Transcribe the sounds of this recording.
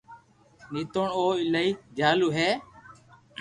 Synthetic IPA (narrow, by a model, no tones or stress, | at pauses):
niːt̪oɳoːɪlaːiːd͡ʒaːluːɦeː